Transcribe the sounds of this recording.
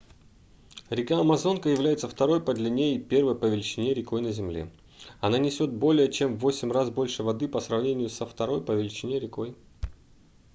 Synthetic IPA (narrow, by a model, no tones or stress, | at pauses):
ɾʲɪkaɐmɐzo̞nkəjɪvlʲæjɪt̪səft̪ɐɾo̞jpəd̪lʲɛnʲejɪpʲe̞rvəjpəvʲɪlʲɪt͡ɕːɪnʲeɾʲɪko̞jnəzʲɪmlʲḛ | ɐnanʲɪsʲo̞t̪̚bo̞lʲɪjət͡ɕe̞mvo̞sʲɪmrazbo̞lʲʂɨvɐd̪ɨpəsrɐvnʲenʲɪjʊsəft̪ɐɾo̞jpəvʲɪlʲɪt͡ɕɪnʲeɾʲɪko̞j